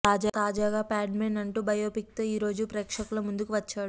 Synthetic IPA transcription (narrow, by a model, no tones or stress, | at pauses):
t̪aːd͡ʒat̪aːd͡ʒaːɡaːpaːɖmeːnɐɳʈuːbɐjoːpik̚t̪oːiːɾo̞ːd͡ʒupɾɛːkʂɐkulɐmund̪ukuʋɐt͡ʃːaːɽu